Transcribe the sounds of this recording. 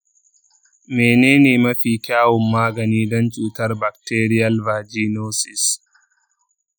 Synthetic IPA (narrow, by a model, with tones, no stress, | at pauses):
meː˨neː˦neː˨mɐ˦ɸiː˨kʲaː˦wɔ˨mːaː˦ɡɐ˨niː˦dɔ˦nt͡ʃʼuː˨tɐ˦rbɐ˨k̚teː˦ɾɪ˦jɐ˦lba˨d͡ʒiː˦noː˦sɪ˨s